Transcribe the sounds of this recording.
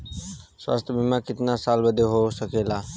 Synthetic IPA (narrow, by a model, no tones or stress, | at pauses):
swa̰ːst̪ʰbʱimãkɪt̪nasaːlbəd̪ʱeɦosəkeːlaː